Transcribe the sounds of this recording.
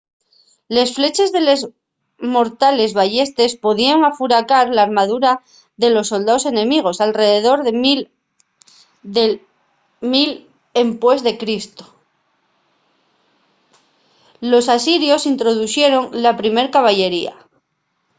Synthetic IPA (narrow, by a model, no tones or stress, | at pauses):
le̞sfle̞t͡ʃe̞zðe̞le̞z | mo̞ɾt̪ale̞zβaʝe̞st̪e̞spo̞ðiaŋafuɾakaɾlaːɾmað̞uɾa | ðe̞lo̞sːo̞ld̪aose̞nẽ̞miɣ̞o̞salre̞ðe̞ðo̞ɾð | mil | e̞mpwe̞zðe̞kɾist̪o̥ | lo̞sasiɾjo̞sint̪ɾo̞ð̞uθje̞ɾo̞ŋlapɾime̞ɾkaβ̞aʝe̞ɾia̰